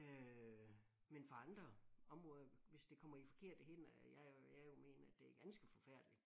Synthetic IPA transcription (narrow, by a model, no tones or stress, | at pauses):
ø | menfɒɑ̈nd̥ʁɐɒ̽mʁɔ̽ːðˠɐʋe̝sd̥e̝kʰɒ̽m̰ɐifɒ̽kʰe̝ɐ̰d̥əhen̰jɑjajo̝me̝̰ːnɐæd̥e̝æɐɡ̥ænsɡ̥əfɒ̽fæɐ̰d̥li̥